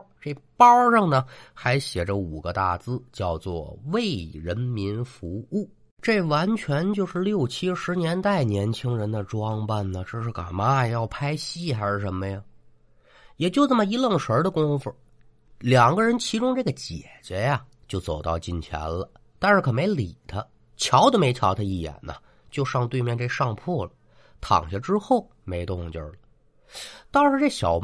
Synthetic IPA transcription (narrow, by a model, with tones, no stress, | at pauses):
ʈ͡ʂe˥˩pɑ˥ʈ͡ʂɤ˥˩ŋnə˩xa˧˥ɪɕjɛ˨˩ʈ͡ʂə˦u˨˩ɡə˦t̪a̰˥˩t͡sɹ̩˥t͡ɕjɑ˥˧ʊt͡swɔ̰˥˧we˥˩ɪɻə˧˥nmi˧˥nfu˧˥u˥˩ | ʈ͡ʂe˥˩wa˧˥nt͡ɕʰɥɛ˧˥nt͡ɕjo˥˧ʊʂɻ̩˥˧ljo˥˩ʊt͡ɕʰi˥ʂɻ̩˧˥njɛ˧˥nt̪a˥˩ɪnjɛ˧˥nt͡ɕʰi˥ŋɻə˧˥nd̪ə˧ʈ͡ʂwɑ˥ŋpa˥˩nnə˩ʈ͡ʂ̩˥˩ʂɻ̩˥˩ka̰˨˩ma˥˧jɑ˥˩ʊpʰa˥ɪɕi˥˩xa˧˥ɪʂɻ̩˥˩ʂə˧˥nmə˧ja˨˩ | jɛ˨˩t͡ɕjo˥˧ʊt͡sə˥˩mə˩i˧˥lɤ˥˩ŋʂə˧˥d̪ə˧kʊ˥ŋfu˨˩ | ljɑ˨˩ŋɡə˦ɻə˧˥nt͡ɕʰi˧˥ʈ͡ʂʊ˥ŋʈ͡ʂɤ˥˩ɡə˩t͡ɕjɛ̰˨˩t͡ɕɥɛ˧˥ja˧ | t͡ɕjo˥˩ʊt͡so˨˩ʊt̪ɑ˥˧ʊt͡ɕi˥˩nt͡ɕʰjɛ̰˧˥nlə˧ | t̪a˥˧nʂɻ̩˥˩kʰɤ˨˩me˧˥ɪli˨˩t̪ʰə˦ | t͡ɕʰjɑ˧˥ʊd̪ə˧me˧˥ɪt͡ɕʰjɑ˧˥ʊt̪ʰa˧˥i˥˩jɛ̰˨˩nə̰˦ | t͡ɕjo˥˧ʊʂɑ˥˧ŋt̪we˥˧ɪmjɛ˥˧nʈ͡ʂe˥˧ʂɑ˥˧ŋpʰɔ˥˩lə˩ | t̪ʰɑ̰˨˩ŋɕa˥ʈ͡ʂɻ̩˥xo˥˩ʊ | me˧˥ɪt̪ʊ˥˧˩ŋt͡ɕjə̰˥˩lə˩ | t̪ɑ˥˧ŋʂɻ̩˥˧ʈ͡ʂe˥˩ɕjɑ˨˩ʊ